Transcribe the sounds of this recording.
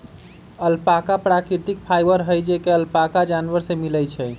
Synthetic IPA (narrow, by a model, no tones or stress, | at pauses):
əlpakapɾakɾit̪ik̚pʰajbəɾɦəjd͡ʒekeəlpakad͡ʒanʋəɾsemilɛjt͡ʃʰɛ